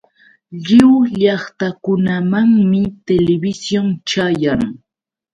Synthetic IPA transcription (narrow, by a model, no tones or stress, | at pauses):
ʎɪwʎɑχt̪akʊnamaŋmɪt̪elɪbɪsjont͡ʃajaŋ